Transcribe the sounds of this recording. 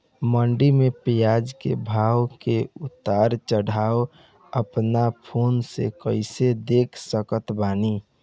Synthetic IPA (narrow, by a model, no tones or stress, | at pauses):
məɳɖimepijad͡ʒkḛbʱawkeut̪ːaɾt͡ʃəɽ̤ʱao | əpnapʰonsḛkəɪsed̪ekʰsəkət̪bani